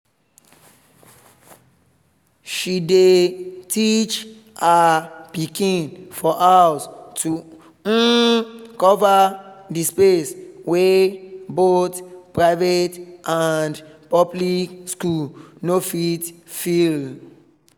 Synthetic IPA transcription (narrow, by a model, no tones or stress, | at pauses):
ʃidetʰit͡ʃ | apikĩnfɔʔastʰu | kɔvadispeswebotpɹaɪvetʔandpɔblikskulnofitfil